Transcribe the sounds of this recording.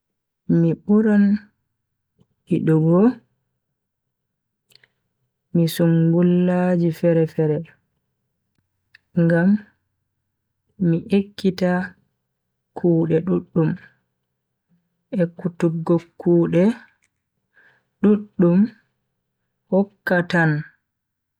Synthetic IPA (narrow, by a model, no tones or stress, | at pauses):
miɓuɾan | hiɗɔɡɔ | misuŋɡulːad͡ʒifɛɾɛfɛɾɛ | ŋɡam | iʔekːita | kʰuːɗɛɗuɗːum | ʔɛkːutuɡːokːuːɗɛ | ɗuɗːum | hɔkːatan